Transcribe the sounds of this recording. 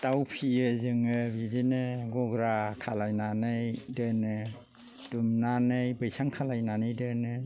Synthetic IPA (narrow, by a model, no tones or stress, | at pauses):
tawpʰiɯzɯŋɯbidinɯɡɔɡɾakʰalajnanɯjdɯnɯ | d̥umnanɯjbɯjsaŋkʰalajnanɯjdɯnɯ